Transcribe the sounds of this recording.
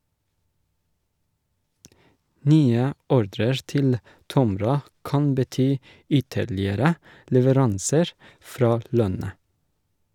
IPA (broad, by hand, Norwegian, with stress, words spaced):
ˈnyːə ˈɔɾdɾəɹ ˈtɪl ˈtɔmɾɑ ˈkɑn bəˈtyː ˈʏtəɭɪəɾə lɛʋəˈɾɑnsəɹ ˈfɾɑː ˈlœnə